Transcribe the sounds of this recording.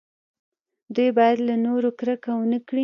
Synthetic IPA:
d̪ujbɑjad̪lanoɾokɾəkawənəkɽi

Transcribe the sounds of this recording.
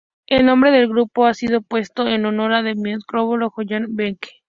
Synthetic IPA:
elnõ̞mbɾe̞ðe̞lɣɾupo̞asið̞o̞pwe̞st̪o̞enonoɾaðemeskɾoβoloxoʝanbeŋke̥

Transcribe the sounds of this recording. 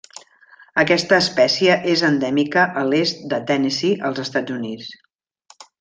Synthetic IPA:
əkɛst̪əːspɛsiəʔezənd̪ɛmikəʔəlest̪̚d̪ət̪ɛnesiʔəlˠzəst̪ad͡zunit͡s

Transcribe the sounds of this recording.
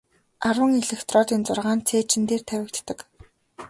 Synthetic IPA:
arwə̆ŋeɮekt̪ʰrɔːt̪iːnt͡sʊrʁaːnt͡sʰeːt͡ɕʰɪ̆nt̪eːrt̪ʰæwʲɪ̆kt̪ːə̆k

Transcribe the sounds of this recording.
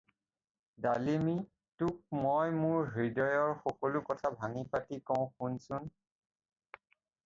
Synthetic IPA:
dalimi | tʊk̚mojmʊɹɦidɔjɔɹxɔkɔlʊkɔtʰabʱaŋipatikɔʊ̃xunsʊn

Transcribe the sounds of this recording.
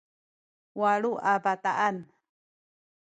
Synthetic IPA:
waɺuʔabat̪aʔan

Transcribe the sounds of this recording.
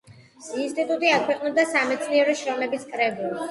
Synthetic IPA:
inst̪ʼit̪ʼut̪ʼiakʰwɛqʼnɛb̚d̪asamɛt̪sʰniɛɾɔʃɾɔmɛbiskʼɾɛbuli

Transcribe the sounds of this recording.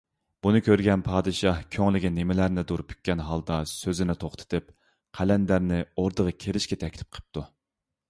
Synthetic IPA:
b̥unɨkʲʰøɾɡʲɛnpʰɑːd̪ɨʃɑhkʲʰøŋlɪɡʲinːɪmɪlæɾnɪd̪uɾpʰy̥k̚ʲːɛnɦɑlˠd̪ɑsøzɪnɪt̪ʰoχt̪ʰɨ̥t̪ʰɨp | qʰælɛnd̪æɾnɪoɾd̪əʁɑkʲʰeɾɪʃkʲɛt̪ʰɛkʲt̪ʰɪ̥p̚qʰə̥p̚t̪ʰu

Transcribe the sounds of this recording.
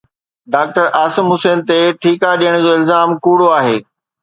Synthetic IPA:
ɖaːk̚ʈəɾaːsɪmɦʊseːnt̪eʈʰiːkaɗijəɽ̃d͡ʑoːɪlzaːmkuːɽoaːɦeː

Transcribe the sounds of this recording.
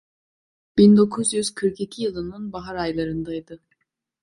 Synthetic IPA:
b̥ind̪o̞kʰuzjyz̥kʰɯɾkʰicʰijɯlˠɯnɯnbaɦaɾajlˠaɾɯnd̪ajd̪ɯ

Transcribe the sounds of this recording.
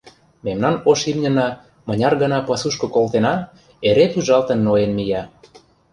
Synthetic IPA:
memnɑnoʃimnʲə̆nɑ | mə̆nʲɑrɣə̆nɑpɑsuʃkɤ̆kolt̪enɑ | eɾet̪uʒɑlt̪ə̆nːoenmijɑ

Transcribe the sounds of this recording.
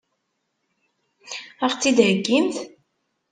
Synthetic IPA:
aʁt͡sːid̪ʕəɡːimθ

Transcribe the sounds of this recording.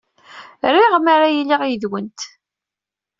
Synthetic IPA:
ɾiʁmaɾajilːiʁjəðwənt̪

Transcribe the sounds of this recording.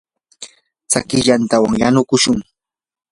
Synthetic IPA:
t͡sakɪʎant̪awaŋjanʊkʊʃʊŋ

